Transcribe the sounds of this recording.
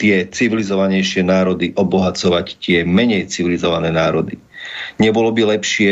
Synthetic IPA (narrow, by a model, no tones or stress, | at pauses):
t̪ɪɛt͡siʋilizɔʋaɲɛjʃɪɛnaːɾɔd̪iʔɔbɔɦat͡sɔʋact̪ɪɛmɛɲɛjt͡siʋilizɔʋanɛːnaːɾɔd̪i | ɲɛbɔlɔbilɛpʃɪɛ